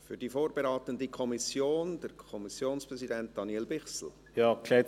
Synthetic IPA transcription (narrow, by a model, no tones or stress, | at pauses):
fyɾd̥iːfoːɾb̥eɾaːt̪əndikʰɔmisjoːnd̥əɾkʰɔmisjoːnspʁɛzidɛnt̚d̥ɑnjɛlbɪχsl̩ | jɑːklɛ